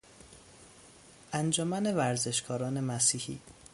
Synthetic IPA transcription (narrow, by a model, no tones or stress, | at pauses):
ʔænd͡ʒɒmæne̞væɾze̞ʃkʰɒːɾɒːne̞mæsiːhḭː